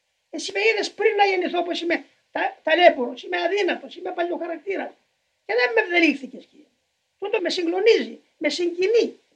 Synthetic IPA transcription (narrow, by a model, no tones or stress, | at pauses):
esimeiðespɾinːɐʝeniθoposime | t̪ɐt̪ɐle̞poɾo̞simeɐðinɐt̪o̞simepɐʎʲioxɐɾɐk̚t̪iɾɐs | ceðemːevðelixθicesci | t̪ut̪omesiŋɡno̞nizi | me̞siɲɟini